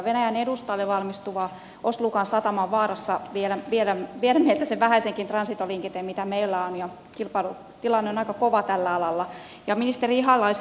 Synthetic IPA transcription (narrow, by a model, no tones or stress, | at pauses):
ʋenæjænedust̪ɑilːeʋɑlmist̪uʋɑː | osluːkɑnsɑt̪ɑmɑʋʋɑːrɑsːɑʋielæʋielæʋielæmelt̪ːæseʋʋæhæiseŋkint̪rɑnsit̪oliŋket̪emmit̪æmeilːæonjɑ | kilpɑlu | t̪ilɑnːeonɑikɑkoʋɑt̪ælːæɑlɑlːɑ | jɑminist̪eriiɦɑlːˑɑis